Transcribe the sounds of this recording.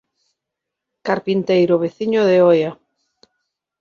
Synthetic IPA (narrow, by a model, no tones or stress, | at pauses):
kaɾpint̪ejɾʊβeθiɲoðeoja